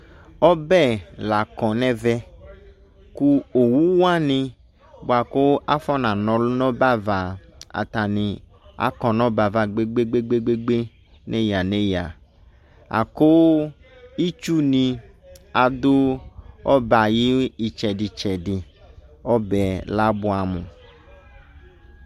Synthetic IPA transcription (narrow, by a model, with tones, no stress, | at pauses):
ɔ˦bɛ˦˨la˨kɔ̃˨nɛ̃˦vɛ˦ | ku˦o˨wu˦wa˦nĩ˧ | bo˨a˨ko˦a˦fɔ˦nã˨nɔ̃˨lnɔ̃˦ba˦va˨a̰˨t̪a˨nĩ˨ | a̰˨kɔ̃˨nɔ̃˦ba˨va˨ɡ͡be˦ɡ͡be˦ɡ͡be˦ɡ͡be˦ɡ͡be˦ɡ͡be˦ | ne˦ja˨ne˦ja˨ | a̰˨ko˦ | i˦t͡ʃu˦nĩ˧ | a˨d̪o˦ɔ˦ba˨ji˦i˨t͡ʃɛ˨ɖi˨t͡ʃɛ˨di˨ | ɔ˦bɛ˨la˦bu˦a˨mũ˨